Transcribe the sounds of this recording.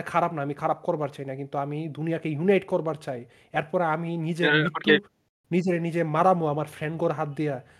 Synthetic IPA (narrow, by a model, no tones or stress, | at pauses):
kʰaɾabnaamikʰaɾab̚kɔɾbaɾt͡ɕajnakint̪uamid̪unijakejunajʈkɔɾbaɾt͡ɕaj | ɛɾpɔɾeaminid͡ʑeɾbit̪ːo | nid͡ʑeɾenid͡ʑemaɾamoamaɾfʰɾeɳɖɡoɾɦat̪̚d̪ija